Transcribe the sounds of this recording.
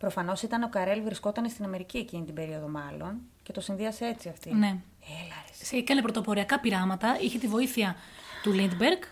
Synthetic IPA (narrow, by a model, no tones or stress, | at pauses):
pɾo̞fɐno̞sit̪ɐno̞kɐɾe̞lvɾisko̞t̪ɐne̞st̪inɐme̞ɾicie̞cinit̪ibe̞ɾio̞ðo̞mɐlo̞n | cet̪o̞sinðiɐsee̞t͡siɐft̪ine̞ | elɐɾsseikɐnepɾo̞t̪opo̞ɾiɐkɐpiɾɐmɐt̪ɐiçet̪ivo̞iθiɐt̪ulind̪beɾɡ